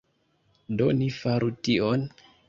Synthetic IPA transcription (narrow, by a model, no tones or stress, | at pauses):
donifaɾʔution